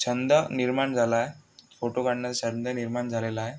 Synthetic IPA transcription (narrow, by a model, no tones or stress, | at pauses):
t͡ɕʰənd̪əniɾmaɳd͡zʱalaɦefoʈokaɽnjat͡sat͡ɕənd̪əniɾmaɳd͡zʱalelaɦe